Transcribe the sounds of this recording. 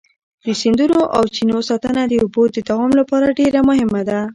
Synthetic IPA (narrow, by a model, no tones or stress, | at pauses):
d̪əsɪnd̪unoʔawt͡ʃinosɑt̪ənad̪əubod̪əd̪awɑmlapɑɾaɖeɾamʊɦɪmad̪a